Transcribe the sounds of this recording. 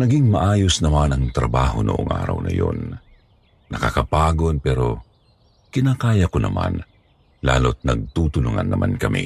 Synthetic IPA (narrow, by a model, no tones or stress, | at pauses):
nɐɡɪŋmɐʔaːjosnɐmanɐŋt̪ɾɐbaːhonʊʔoŋʔa̰ːɾɐ̰wnɐ̰jonː | ɐkakɐpaːɡonpɛɾo̞ | kɪnaːkaːjɐkonʔɐ̰man | laːlot̪̚nɐɡ̚t̪ut̪ʊlʊŋanːɐmʔankɐmḭ